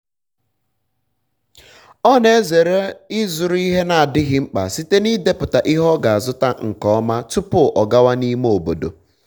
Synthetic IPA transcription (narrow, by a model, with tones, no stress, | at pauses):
ɔ˦ne˨˦ze˨ɾe˦ɪ˦zʊ˨ɾʊ˦i˦ɦe˦na˨a˨dɪ˦ɣɪ˦ŋ͡m̩˦k͡pa̰˨si˦te˦ni˦de˦pʊ˨ta˨ʔi˦ɦɔ˦ɡa˨a˨zʊ˦ta˦ŋ̩˨kɔ˨˦ɔ˦ma˦tʊ˦pʊ˦˨ʔɔ˨ɡa˦wa˦ni˦m˦o˨bo̰˨do̰˨